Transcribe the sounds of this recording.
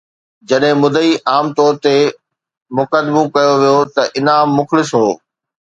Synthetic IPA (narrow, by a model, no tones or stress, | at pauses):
d͡ʑɐɗɦɪ̃mʊd̪ʱəiʔaːmt̪ɔːɾt̪e | mʊkəd̪mũkɐjoʋijot̪ɐʔɪnaːmːʊxlɪsɦoː